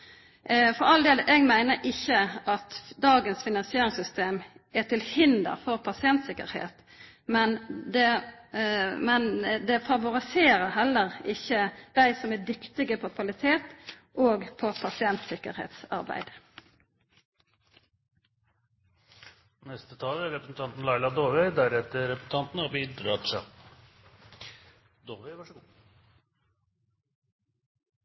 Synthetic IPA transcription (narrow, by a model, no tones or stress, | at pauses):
fɔʁɑld̪eːləʔeːɡmæɪnəɾʔɪçəʔɑt̪d̪ɑːɡənsfɪnɑnsɪeːɾɪŋsʏst̪eːmæt̪ʰɪlhɪnd̪ə̰ʁfɔʁpʰɑsɪɛnt̪sɪkə̰ɾhḛːt̪ | mɛnd̪ɛ | mɛnd̪ɛfɑʋʊɾɪseːɾəɦɛlːəʁɪçːəd̪̥æɪsɔmɛd̪ɪkt̪ɪɡəpʰɔkʰʋɑlɪt̪ʰeːt̪ | ʔoːɡpʰɔpʰɑsɪɛnt̪sɪkə̰ɾhḛːt̪sɑ̰ɾbæ̰ɪd̪ | nɛst̪ət̪ʰɑːlæɾɛpɾəsn̩t̪ʰɑnt̪n̩lɑɪlɑd̪oːʋɛɪd̪æɾɛt̪əɾɛpɾəsn̩t̪ʰɑnt̪n̩ɑːbiːd̪ɾɑːt̪ʂɑ | d̪oːʋɛɪʋɑʂəɡuː